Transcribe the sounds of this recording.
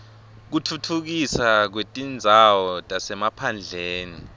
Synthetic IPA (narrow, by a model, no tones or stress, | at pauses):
k̬utʰutʰuk̬isak̬wetʼind͡zʱawɔtʼasɛmapʰand͡ɮʱeːni